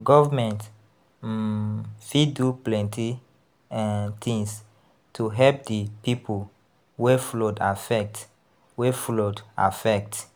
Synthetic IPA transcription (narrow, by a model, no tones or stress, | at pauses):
ɡɔvamɛ̃nt | fiduplɛ̃ntʰi | t̪ĩŋs | tʰuɦɛlp̚dipipʰul | weflodafɛk̚t | wefloda̰fɛk̚t